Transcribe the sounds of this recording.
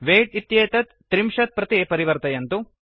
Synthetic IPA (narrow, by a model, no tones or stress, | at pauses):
ʋeːʈit̪jeːt̪ɐt̪ːɾimʃɐt̪̚pɾɐt̪ipɐɾiʋɐɾt̪ɐjɐnt̪u